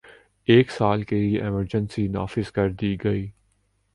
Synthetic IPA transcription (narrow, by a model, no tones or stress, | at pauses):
eːksaːlkelieʔɛməɾd͡ʒənsina̰ːfɪzkɐɾd̪iɡɐiː